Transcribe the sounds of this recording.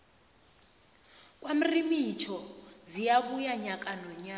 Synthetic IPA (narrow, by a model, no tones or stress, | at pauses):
k̬ʼwam̩rimit͡ʃʰɔzijaβujaɲakʼanɔɲaː